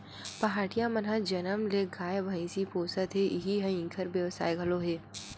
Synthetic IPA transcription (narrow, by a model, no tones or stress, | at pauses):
pɐɦaːʈijamɐnɦad͡ʒɐnəmleɡʱaːjbʱɐĩsipoːsət̪ɦeʔɪɦiɦɐ̃ĩŋkʰəɾbjəʋsa̰ːeɡʱɐloɦeː